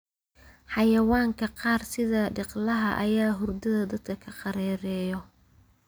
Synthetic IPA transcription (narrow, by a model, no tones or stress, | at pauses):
ħɑjɐwɑːŋkʰɐqɑːrsɪðɐɖɪqlɐɦɐ̰ʔɐjaːɦʊrd̪ɐðɐd̪ɐd̪̥kʰɐkʰɐqɑɾɛːɾɛːjɔ